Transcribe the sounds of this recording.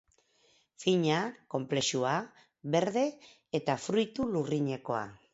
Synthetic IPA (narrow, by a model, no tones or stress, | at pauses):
fiɲako̞mple̞ʃua | βe̞ɾðe̞ː | t̪afɾujt̪uluriɲe̞ko̞a̰